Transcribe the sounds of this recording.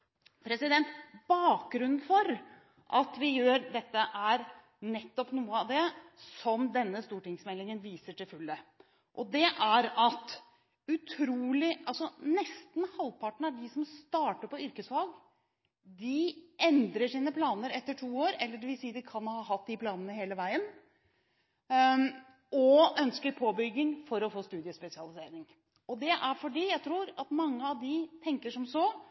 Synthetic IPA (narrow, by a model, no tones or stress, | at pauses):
pʰɾɛsɪd̪ɛnt̪b̥ɑːk̚ɡɾʉnn̩fɔɾ | ʔɑt̪ʋɪjøːɾd̪ɛt̪ːəʔæɾ | nɛt̪ːɔpnuːəɑʋd̪ɛsɔmd̪ɛnːəst̪uːʈɪŋsmɛlːɪŋənʋiːsəʈɪlfʉlːə | ʔɔd̪ɛʔæɾɑt̪ | ʉt̪ʰɾuːlɪʔɑlsɔnɛst̪n̩hɑlpʰɑʈɳ̩æɖɪsɔmst̪ɑːʈəpɔʏɾkəsʋɑlɡ | d̪ɪʔɛnd̪ɾəʂiːnəpʰlɑːnəɾɛt̪ːəʈʰuːoːɾɛlːəɖɛʋɪlsiːəd̪ɪkʰɑnhɑːɦɑt̪̚d̪ɪpʰlɑːnənəheːləʋæɪən | ɔœnskəɾpʰoːbʏɡːɪŋfɔɾɔfoːst̪ʉːd̪ɪəspɛsɪɑlɪseːɾɪŋ | ɔd̪ɛʔæɾfɔɖiːjæɪt̪ʰɾuːɾɑt̪mɑŋːəɑʋd̪ɪt̪ʰɛŋkəʂɔmsɔ